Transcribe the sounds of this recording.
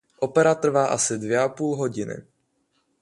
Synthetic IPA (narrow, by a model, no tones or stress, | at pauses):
ʔo̞pɛɾat̪r̩vaːʔasɪdvjɛʔapuːlɦo̞ɟɪnɪ̰